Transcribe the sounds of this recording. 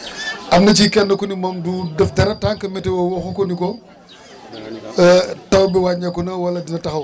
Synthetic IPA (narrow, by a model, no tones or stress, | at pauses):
ʔɐmnɐt͡ʃikɛnːɐkɔnimɔmduːdɐfdɐɾɐtaːŋkɐmɛtɛwɔwɔxukɔnikɔ | tɐwbɛwaːɲɐkːɔnɐwɐlːɐdinɐtɐxɐw